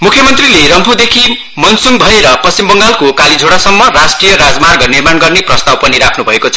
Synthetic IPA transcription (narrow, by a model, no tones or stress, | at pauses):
mukʰjʌmʌnt̪rileɾʌmpʰud̪ekʰi | mʌnsunbʱʌeɾʌpʌst͡ɕimbʌŋɡalkokalid͡zʱoɽasʌmːʌrasʈrijʌɾad͡zmarɡʌnirmanɡʌrneprʌst̪awpʌniɾakʰnubʱʌekot͡sʰʌ